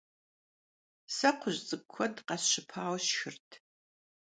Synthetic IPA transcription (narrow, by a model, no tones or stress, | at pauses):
sɐqʷʰʊʑzʼɨɡkʷʰɔdqɐsɕɪpʰaːwʃxɨrtʰ